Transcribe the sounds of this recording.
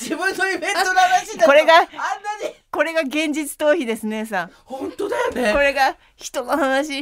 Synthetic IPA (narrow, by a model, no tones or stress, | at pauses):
sebɯɲsoibẽnonanaɕiːko̞ɾeɡaanːaɲiko̞ɾe̞ɡaɡẽ̞ɲ̟d͡ʑit͡sɨ̥t̪o̞ːçid̪e̞sɨne̞s̬a | hõnt̪od̪ajneko̞ɾe̞ɡa | çi̥t̪o̞nohanaɕi